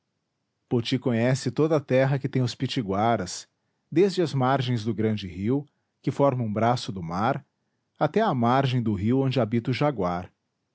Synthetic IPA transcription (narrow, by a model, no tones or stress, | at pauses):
pot͡ʃikõɲɛsɪt̪od̪ɐat̪ɛɦɐkɪt̪ẽj̃ʊspit͡ʃiɡwaɾɐs | d̪ezd͡ʒɪɐzmaɾʒẽj̃zd̪ʊɡɾɐ̃d͡ʒɪɦiw | kɪfɔɾmɐ̃ũbɾasʊd̪ʊmaɾ | at̪ɛɐmaɾʒẽj̃d̪ʊɦiwõd͡ʒɪabit̪ʊʒaɡwaɾ